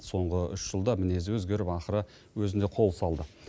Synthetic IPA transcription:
so̞ɴʁəʏ̰ʃʒ̥əlˠd̪ɑmɪne̞zɪwɵzɡʲe̞ɾɪpɑqəɾə | wɵzɪnd̪e̞qʰo̞lˠsɑlˠd̪ə

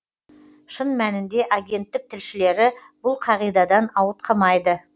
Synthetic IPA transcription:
ʃənmænɪnd̪e̞ʔaɡʲe̞nt̪ːɪk̚t̪ʰɪlʃɪle̞ɾɪ | b̥ʊlˠqʰɑʁijd̪ɑd̪ɑnɑwət̪̚qʰɑmɑjd̪ə

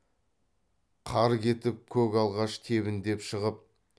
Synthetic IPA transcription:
qʰɑɾkʲe̞t̪ɪp̚kʲʰɵkʲɑlˠʁɑʃt̪ʰe̞βɪnd̪e̞pʃəʁəp̚

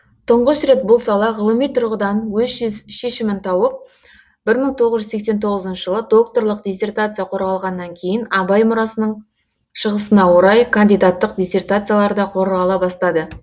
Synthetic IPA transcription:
t̪ʰəɴʁəʃɾe̞t̪̚bʊlˠsɑlˠɑʁəlˠəmijt̪ʰʊɾʁəd̪ɑnwɵzʃʃe̞ʃɪmɪnt̪ʰɑwəp̚ | b̥ɪɾməɴt̪ʰo̞ʁəzʒʏzse̞kse̞nt̪ʰo̞ʁəzənʃəʒəlˠəd̪o̞k̚t̪o̞rlˠəqd̪ʲesʲe̞rt̪at̪sɨjaqʰo̞ɾʁɑlˠʁɑnːɑŋkʲʰe̞jɪnɑbɑjmʊɾɑsənəɴ | ʃəʁəsənɑwo̞ɾɑjkʰand̪ijd̪at̪ːəq̚d̪ʲesʲe̞rt̪at̪sɨjalˠɑɾd̪ɑqʰo̞ɾʁɑlˠɑbɑst̪ɑd̪ə

